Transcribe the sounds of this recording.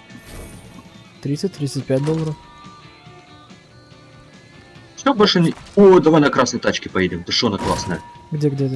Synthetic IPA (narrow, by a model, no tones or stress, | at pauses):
t̪ɾʲit̪sɨt̚ʲt̪ɾʲit̪sət̚ʲpʲætʲd̪olˠːəɾəf | fsʲobolʲʂɨnʲod̪ɐvolʲnəkɾasnəjt̪at͡ɕkʲɪpɐjidʲɪmt̪əʂonəklˠasnəjəɡdʲeɡdʲet̪ə